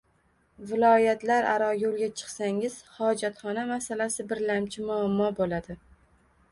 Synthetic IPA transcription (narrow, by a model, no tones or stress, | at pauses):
vɪlˠɒjat̪laɾaɾɒjolˠɡʲat͡ʃʰɨ̥qsaŋɪz̥hɒd͡ʒat̪χɒnamasalasɪbɪɾlamt͡ʃʰɪmʊamːɒbolad̪ɪ